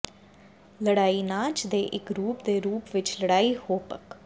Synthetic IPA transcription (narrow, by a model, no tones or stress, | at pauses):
ləɽaːiːnãːt͡ʃd̪eːʔɪkɾuːpd̪eːɾuːpʋɪt͡ʃləɽaːiːhoːpək